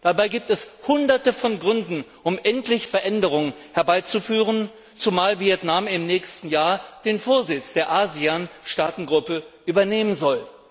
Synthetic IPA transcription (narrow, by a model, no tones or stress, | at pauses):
d̥abaɪɡiːp̚tɛshʊndɐtəfɔnɡʁʏndn̩ʔʊmʔɛntlɪçfɛɐʔɛndəʁ̞ʊŋənhɛɐbaɪt͡sufyːʁ̞ən | t͡sumaːlviɛtnamɪmnɛːçstn̩jaːɐd̥eːnfoːɐzɪt͡sd̥eːɐʔaːzianʃtaːtn̩ɡʁʊpəʔyːbɐneːmənzɔl